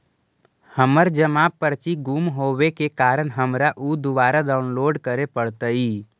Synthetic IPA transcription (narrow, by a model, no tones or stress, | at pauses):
həməɾd͡ʒəmaːpːəɾt͡ʃiɡumɦoːwekekaːɾəɳɦəmɾaʔud̪ʊʋaːɾad̪aːʊnloːɖkəɾepəɽt̪əiː